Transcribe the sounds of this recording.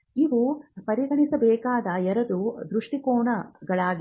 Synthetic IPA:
iʋupɐɾiɡɐɳisɐbɛːkaːd̪ɐɛɾɐd̪ud̪ɾuʂʈikoːɳɐɡɐɭaːɡi

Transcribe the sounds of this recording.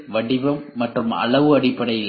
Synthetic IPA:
ʋɐɽɪbɐmːɐʈrɯmɐ̰ɭɐʋɯɐɽɪpːɐɽɐjɪl

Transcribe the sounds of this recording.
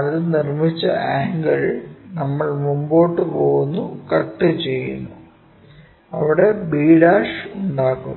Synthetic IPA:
ɐðɨnirmit͡ɕːɐ̰aːŋɡɐɭnɐmːɐɭmumbo̞ːʈːɨpoːɣunːukɐʈːɨt͡ɕe̞jːṵnːu | ɐʋiɽe̞biːɽaːʂuɳɖaːɣṵ

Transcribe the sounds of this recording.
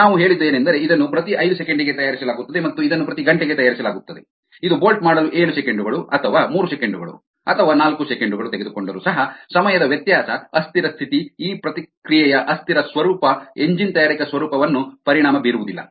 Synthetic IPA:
naːʋuɦe̞ːɭid̪ːe̞ːnend̪ɐɾe̞id̪ɐnːupɾɐt̪iʔɐjd̪usekeɳɖiɡe̞t̪ɐjaːɾisɐlaːɡut̪ːɐd̪emɐt̪ːuid̪ɐnːupɾɐt̪iɡɐɳʈeɡet̪ɐjaːɾisɐlaːɡut̪ːɐd̪e̞ | id̪ubo̞ːlʈ̚maːɽɐluʔeːɭusekeɳɖuɡɐɭuɐt̪ʰɐʋaːmuːɾusekeɳɖuɡɐɭṵ | ɐt̪ʰɐʋaːnaːlkusekeɳɖuɡɐɭut̪eɡe̞d̪uko̞ɳɖɐɾusɐɦɐsɐmɐjɐd̪ɐʋjɐt̪jaːsɐɐst̪ʰiɾɐst̪ʰit̪iiːpɾɐt̪ikɾijɛjɐʔɐst̪iɾɐsʋɐɾuːpɐeɲd͡ʒint̪ɐjaːɾikɐsʋɐɾuːpɐʋɐnːupɐɾiɳaːmɐbiːɾuʋud̪ilːɐ̰

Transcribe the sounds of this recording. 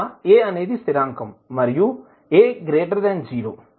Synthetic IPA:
eːɐneːd̪ist̪iɾaːŋkɐmːɐɾju | eːɡɾeːʈɐɾd̪ɛːnd͡ʒiːɾo̰ː

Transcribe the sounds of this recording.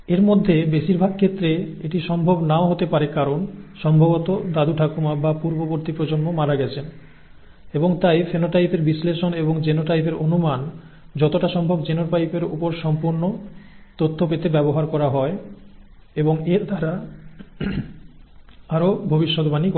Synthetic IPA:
eɾmod̪ʱːebeʃiɾbʱaɡ̚kʰet̪ːɾe | eʈiʃɔmbʱobnaoɦot̪epaɾekaɾonʃɔmbʱobot̪od̪ad̪uʈʰakumabapuɾboboɾt̪ipɾod͡ʑonmomaɾaɡɛt͡ɕʰen | eboŋt̪ajfʰenoʈajpʰeɾbisleʃoneboŋd͡ʑenoʈajpeɾonuman | d͡ʑɔt̪oʈaʃɔmbʱobd͡ʑenoʈajpeɾṵpoɾʃɔmpuɾnot̪ot̪ʰːopet̪ebɛboɦaɾkɔɾaɦɔe | eboŋeɾd̪ʱaɾa | aɾobʱobiʃːod̪banik

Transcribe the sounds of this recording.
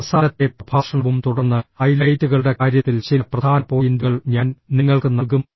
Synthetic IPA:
saːnɐt̪ːe̞pb̥ʱaːʂɐɳɐʋumt̪uɽɐrnːɨɐjlɐjtːuɣɐɭɽe̞kaːɾjɐt̪ːilt͡ɕilɐprɐd̪ʰʱaːnɐpo̞ːjind̪uɣɐɭɲaːnniŋːɐɭkɨnɐɣum

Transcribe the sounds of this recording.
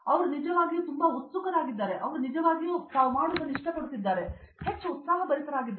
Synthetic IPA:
ɐʋɐɾunid͡ʒɐʋaːɡijuːt̪umbɐut̪sukɐɾaːɡid̪ːaːɾeʔɐʋɐɾunid͡ʒɐʋaːɡijut̪aːʋumaːɽud̪ɐnːiʂʈɐpɐɽut̪id̪ːaːɾe | he̞t͡ʃːut̪saːɦɐbɐɾisɐɾaːɡid̪ː

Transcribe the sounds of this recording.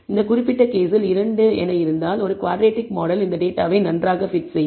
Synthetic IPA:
ɪnd̪ɐkʊrɪpːɪʈːɐkeːsɪlɪɾɐɳɖɯɛ̰nɐjɪɾɯnd̪aːlɔɾɯkʋaːɖɾeːʈːɪkmoːɽɐlɪnd̪ɐɖeːʈːaːʋɐɪnɐndraːɣɐfɪʈsɐ

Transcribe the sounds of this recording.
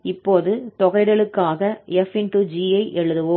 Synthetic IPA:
ɪpːoːðɯt̪ɔɣɐɪɽɐɭɯkːaːɣɐɛfɪnʈud͡ʒiːɐɪʔɛɻɯðɯʋɯ

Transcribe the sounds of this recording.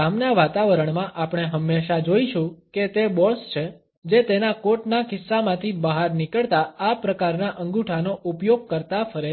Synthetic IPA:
amnaʋat̪aʋəɾəɳmãʔapɽ̃eɦəmːeʃad͡ʒoiʃũket̪ebɔst͡ʃʰe | d͡ʒet̪enakoʈnakɪsːamãt̪ʰibəɦaɾnikəɭt̪aapɾəkaɾnaʔə̃ŋɡuʈʰanoʔupjoɡ̚kəɾt̪afəɾe

